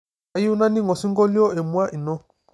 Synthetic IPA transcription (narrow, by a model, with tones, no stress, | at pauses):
ju˦na˦ni˦ŋɔ˨si˦ŋɡɔ˦li˦ɔ˦e˨mu˦a˦ʔi˨nɔ˦